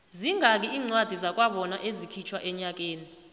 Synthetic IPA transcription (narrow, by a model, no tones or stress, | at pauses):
ziŋʱak̬ʼiiːŋ͡ǀwad̥ʱizak̬ʼwaɓɔnaʔezikʰit͡ʃʰwaʔɛɲak̬ʼeːni